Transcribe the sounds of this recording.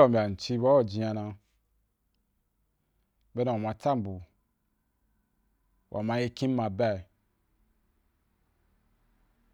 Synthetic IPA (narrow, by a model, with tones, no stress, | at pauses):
ɔ˨mbʲa˨n̩˨t͡ʃi˧ba˦wɔ˦˨d͡ʒi˧˦a˧nã˧ | be˦nã˨a˨mã˧ta˦˨m̩˨bu˨ | wʔa̰˨mã˧˦je˦kĩ˦m̩˦mã˧bɛ˦˨